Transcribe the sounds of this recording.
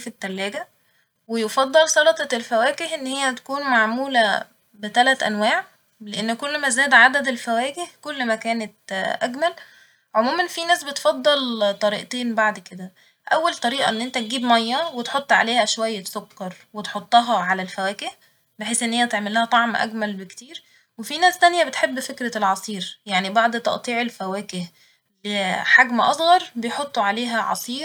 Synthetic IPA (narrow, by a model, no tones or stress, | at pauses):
fit̪ːælːæːɡæ | wejefɑd̪ˤːɑlsɑlɑt̪ˤɑelfæwæːkehʔenːhejːæt̪æ̥kuːnmaʕmuːlæ | bet̪ælæt̪ʔæ̰nwæːʕ | leʔenːkolːmæzæːd̪ʕad̪æd̪elfæwæːkehkolːmækæːnet̪ʔæɡmæl | ʕomuːmænfinæːsbet̪fɑd̪ˤːɑlt̪ˤɑɾḭːʔt̪eːnbaʕd̪ked̪æ | ʔæwːælt̪ˤɑɾiːʔɑ̰ʔenːʔent̪æt̪̚ɡiːbmɑjːɑwet̪ħot̪ˤːʕa̰leːhæʃwæjːæsokːɑɾˤ | wet̪ħot̪ˤːɑɦɑʕalælfæwæːkeh | beħeːsʔenːhejːæt̪eʕmelæhæt̪ˤɑʕmʔæ̰ɡmælbekt̪iːɾ | wefinæːst̪ænjæbet̪ħebːfekɾælʕɑsˤiːɾjaʕnibɑʕd̪ˤt̪ˤɑ̰ʔt̪ˤiːʕelfæwæːkeh | leħaɡmʔɑsˤɣɑɾˤbejħot̪ˤːoʕaleːɦæʕɑ̰sˤiːɾ